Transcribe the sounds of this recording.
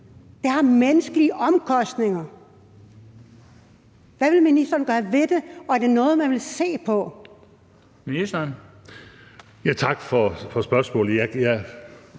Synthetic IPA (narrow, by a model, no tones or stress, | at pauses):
d̥ehɑ̈menəsɡ̥əliəʔɒ̽mkʰɒ̽sd̥ne̝ŋɐ | ʋæʋe̝lminisd̥ɐnɡ̥ɶːɐʋe̝d̥e̝ɒ̽æɐde̝nɔ̽ːð̞̩ˠmænʋe̝lse̝̰ːpʰɒ̽ | minisd̥ɐn | jæt͡sʰɑ̈ɡ̥fɒfɒsb̥ɶɐsmɔ̰̽ːl̩jæjæ